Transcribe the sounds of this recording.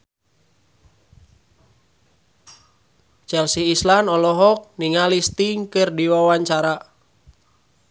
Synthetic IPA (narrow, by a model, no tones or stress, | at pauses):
t͡ʃɛlsiːslanɔlɔɦɔk̚niŋalist̪iŋkɨrdiwawaɲt͡ʃaɾa